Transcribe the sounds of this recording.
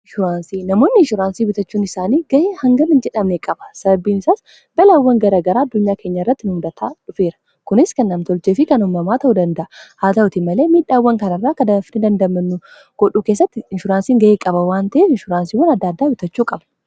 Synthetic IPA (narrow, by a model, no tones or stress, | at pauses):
ɪʃʊɾaːnsiːnɐmo̞ːnːɪɪʃʊɾaːnsiːbɪt̪ɐt͡ʃːuːnɪsaːniːɡɐʔeːhɐŋɡɐnɪnd͡ʒɛᶑɐmnekʼɐbɐ̥sɐbɐbiːnɪsaːs | bɐlaːwːɐŋɡɐɾaːɡɐɾaːɐd̪ːʊɲːaːkʰe̞ːɲːɐɪrːɐt̪ːɪnʊhʊd̪ɐt̪ʰaːᶑʊfe̞ːɾɐ̥ | kʊnɪskɐnːɐmt̪ɔlt͡ʃeːfɪkɐnʊmːɐmaːt̪ɐʔud̪ɐnd̪ɐʔɐhaːt̪ɐʔʊt̪ɪmɐle̞ːmiːᶑːaːwːɐŋkɐnɐrːaːkɐd̪ɐfnɪd̪ɐnd̪ɐmɐnːʊ | ɡ̥ɔɗuːke̞ːs̬ːɐt̪ːɪɪnʃʊɾaːnsiːŋɡɐʔeːkʼɐbɐwaːnt̪ɐʔeːfɪnʃʊɾaːnsiːwɐnɐd̪ːaːd̪ːaːbɪt̪ɐt͡ʃːuːkʼɐbɐ